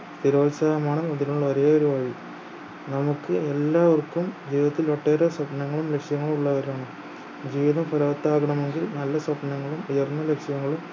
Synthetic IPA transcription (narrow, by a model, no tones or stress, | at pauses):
st̪iɾo̞ːlsaːjɐmaːɳɨnɐðinuɭːɐʋɐɾejoɾuʋaːji | nɐmukːɨelːaːʋɐrkːumd͡ʑiːðɐt̪ːiloʈːeːɾɐsɐpnɐŋːɐɭumle̞kʂjɐŋːɐɭumuɭːɐʋɐɾaːɳɨ | d͡ʑiːʋiðɐmfɐlɐʋɐt̪ːaːɣɐɳɐme̞ŋɡilnɐlːɐsɐpnɐŋːɐɭumujɐrnːɐlekʂjɐŋːɐɭum